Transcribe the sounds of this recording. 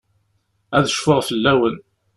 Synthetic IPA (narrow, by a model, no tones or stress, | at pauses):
æðəʃfəʁfəlːæwən